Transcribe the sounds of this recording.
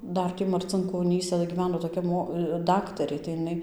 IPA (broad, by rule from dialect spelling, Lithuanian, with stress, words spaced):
ˈdɐr ˈtʲiː mɐrʲt͡sʲɪŋkoːˈnʲiːsɐ ɡʲiːˈʋʲæːnoː toːˈkʲɛ ˈmoː ˈdɑːktɐrʲeː tɐɪ ɪˈnɐɪ